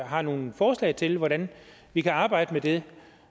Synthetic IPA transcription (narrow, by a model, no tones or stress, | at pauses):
ɦɑ̈no̝ːn̩fɒːslɛ̰ɪt͡sʰe̝lʋɒɾæn | ʋikʰæɑ̈ːb̥ɑ̈ɪ̰d̥əmed̥e